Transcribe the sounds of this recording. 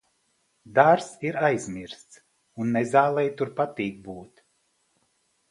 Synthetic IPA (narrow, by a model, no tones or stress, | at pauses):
d̪aɾsiɾajzʲmiɾst̪s | unːɛzaːlˠɛjt̪uɾpat̪iːk̚buːt̪ʲ